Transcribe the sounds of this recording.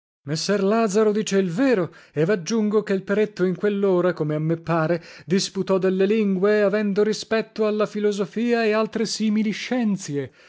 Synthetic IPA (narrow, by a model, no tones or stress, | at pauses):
mesːɛrlaːd̪zaɾod̪iːt͡ʃeilvɛːɾoevad͡ʒːuŋɡokeilpeɾet̪ːoiŋkwelːoːɾakomeamːepːaːɾed̪isput̪ɔd̪elːeliŋɡweavɛnd̪oɾispɛt̪ːoalːafilozofiːaealt̪ɾesiːmiliʃːɛnt̪sje